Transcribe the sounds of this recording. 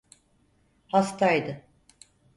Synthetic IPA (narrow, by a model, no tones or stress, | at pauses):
hast̪ʰajd̪ɯ